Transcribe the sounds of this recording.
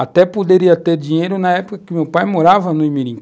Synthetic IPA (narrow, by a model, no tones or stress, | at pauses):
at̪ɛpod̪eɾiɐt̪eɾd͡ʒĩɲejɾʊnɐɛpokɐkɪmewpajmoɾavɐnʊɪ̃miɾĩŋk